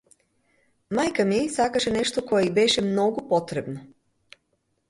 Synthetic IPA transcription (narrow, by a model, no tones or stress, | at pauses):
majkamisakaʃeneʃt̪oko̞jeibeʃemno̞ɡopo̞t̪ɾebno